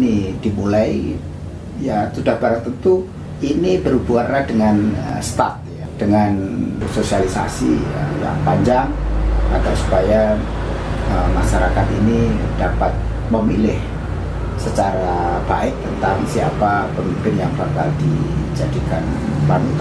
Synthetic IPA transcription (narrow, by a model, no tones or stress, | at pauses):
nid̥imulai | jat̪udahb̥aɾat̪ənt̪u | inibəɾubuarnahdəŋanst̪a̰t̪̚jad̥əŋansosialisa̰sḭja̰paɲd͡ʒaŋat̪awsu̥paja | əmaʃaɾakat̪ini | d̥apat̪̚ | məmilɪh | sət͡ʃaɾab̥a̰ɪk̚t̪ənt̪aŋsia̰papəmimpɪnjaŋbaka̰ldid͡ʒadikan | panut̪